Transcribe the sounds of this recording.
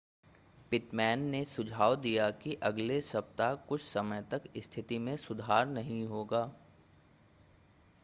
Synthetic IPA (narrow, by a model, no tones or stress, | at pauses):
pɪʈmɛːnːesʊd͡ʒʱaːwd̪ijakiʔɐɡlesɐp̚t̪akʊt͡ʃʰsɐməjt̪ɐkɪst̪ʰɪt̪imẽsʊd̪ʱaːɾnɐɦĩɦoːɡaː